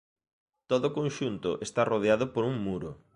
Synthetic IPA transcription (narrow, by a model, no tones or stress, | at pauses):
t̪oðʊkonʃunt̪ʊʔest̪aroðeaðʊpoɾuŋmuɾʊ̰